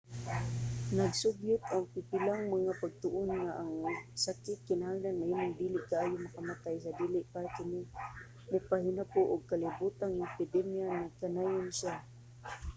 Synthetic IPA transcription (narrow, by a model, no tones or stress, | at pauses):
naɡsʊbjʊt̪̚ʔaŋpɪpɪlaŋmaŋapaɡ̚t̪ʊʔʊnŋaʔaŋsakɪt̪̚kɪnahaŋlanŋaʔimʊŋd̪iːlɪʔkaʔaːjʊmakamat̪ajs̬ad̪iːlɪʔpaakɪnɪ | mʊpaɦɪnapʊʔʊɡ̚kalɪbut̪anŋpɪd̪ɛmjanakanaːjʊnʃa